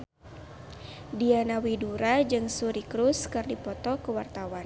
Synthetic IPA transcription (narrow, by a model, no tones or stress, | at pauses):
dianawiduɾad͡ʒɨŋsuɾikɾuskɨrdipɔt̪ɔkəwart̪awan